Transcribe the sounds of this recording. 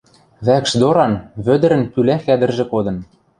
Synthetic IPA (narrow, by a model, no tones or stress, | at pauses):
βækʃd̪oɾɑnβød̪ɘ̆ɾɘ̆nkylæxæd̪ɘ̆rʒĕkod̪ɤ̆n